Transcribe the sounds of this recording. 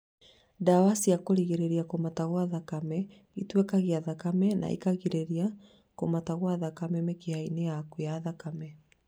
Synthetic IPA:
dawasiakoɾiɣeɾeɾiakomataɣwaðakamɛ | itwɛkaɣeaðakamɛna̰ḭkaɣiɾeɾia | komataɣwaðakamɛmekeainejakweaðakamɛ

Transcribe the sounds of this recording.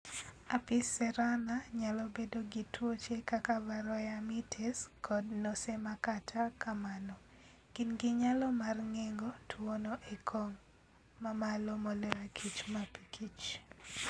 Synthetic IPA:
apɪsɛɾanaɲalɔbedoɡitwot͡ʃekakabaɾɔjamitʰeskʰɔdnosemakatʰakʰamanɔ | kɪnɡɪɲalɔmarŋeŋɡotʰwonoʔekʰoŋː | amalɔmɔlɛɾakʰit͡ʃmapikʰit͡ʃ

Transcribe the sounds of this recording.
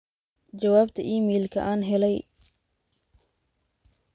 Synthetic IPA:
t͡ʃɐwaːbt̪ʰɐʔiːmɛːlkʰɐ̰ʔaːnɦɛlɛj

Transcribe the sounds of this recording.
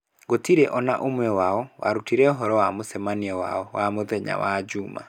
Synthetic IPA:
ɡotiɾɛʔɔnaʔomwɛwaɔwa̰ɾutiɾɛɔɦɔɾɔwamosɛmaniɛwa̰ɔwamoðɛɲa̰wad͡ʑuma̰

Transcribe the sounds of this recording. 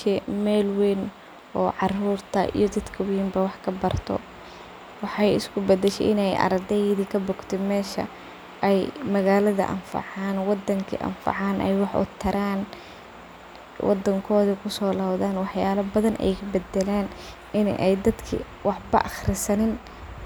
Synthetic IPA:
ʃɛmɛːlwɛn | ʔɔːʕɑruːrt̪ʰɐ̰ʔḭjɔd̪ɐd̪kʰɐwiːmbɐwɑħkʰɐbɐrt̪ʰɔ̰ | wɑħɑjɪ̰skʰʊbɛd̪ɛʃɛ̰ʔɪnɛjʔɐ̰ɾɐd̪ɛjðikʰɐbʊɡt̪ʰɛmɛːʃɐ̰ | ʔɛjmɐɣaːlɐðɐ̰ʔɐ̰nfɑ̰ʕɑːnwɑd̪ːɐŋkʰḭʔɐ̰nfɑ̰ʕɑːnʔɛ̰jwɑħʔʊ̰t̪ʰːɐɾaːn | wʔɑ̰d̪ːɐŋkʰɔːðɐkʰʊsɔːlaːbðaːnwɑħjaːlɐbɐðɐnʔɛ̰jkʰɐbɛd̪ɛlɛːn | ʔɪnʔɛjd̪ɐd̪kʰḭ | wɑħbɐ̰ʔɐxrɪsɐnɪn

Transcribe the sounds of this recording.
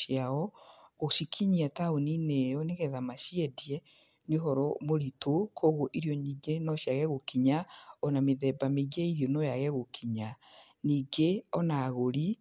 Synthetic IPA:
jaɔɣoʃikʰiɲiataoninɛjɔneɣɛðamaʃiɛdiɛ | nioɦɔɾɔmoɾitokʰoɣoʔiɾjɔɲiːɡenɔʃjaɣɛɣokiɲaɔnameðɛbameɡɛiɾjɔnojaɣɛɣokʰiɲa | niːɡeɔnaːɣoɾi

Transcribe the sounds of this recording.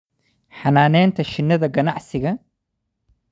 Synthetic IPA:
ħanaːnɛːnt̪ʰɐʃɪnːɐðɐɡɐnaʕsɪɣɐ

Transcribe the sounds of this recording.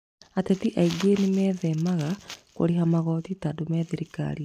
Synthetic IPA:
atetiʔaiɡenimɛːðɛmaɣako̰ɾiɦamaɣɔtitadomɛðiɾika̰ɾi

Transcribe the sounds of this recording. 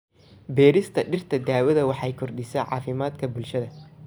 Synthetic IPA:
bɛːɾɪst̪ʰɐɖɪrt̪ʰɐd̪aːwɐðɐwɑħɑjkʰʊrɖɪsɛʕɑ̰ːfɪmaːd̪kʰɐbʊlʃɐðɐ

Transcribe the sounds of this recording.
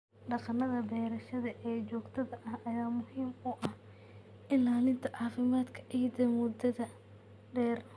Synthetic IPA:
ɖɑqɑnɐðɐbɛːɾɐʃɐðɐʔɛːt͡ʃɔːɡt̪ʰɐðɐʔɐhɐjaːmʊhiːmʊʔɐh | ʔɪnlaːlɪnt̪ʰɐʕɑːfɪmaːd̪kʰɐ̥ʔijd̪ɐmʊd̪ɐðɐ | ɖɛːr

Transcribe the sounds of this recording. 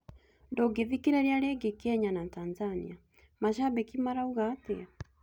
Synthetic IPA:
ndoɡeðikiɾeɾeaɾeɡekɛɲanataːnzanḭa | maʃabɛkimaɾauɣatea

